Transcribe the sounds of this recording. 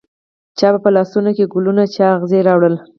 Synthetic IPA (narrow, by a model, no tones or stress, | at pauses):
t͡ʃɑbapəlɑsunokeɡʊlunat͡ʃɑɣzeɾɑwɽəl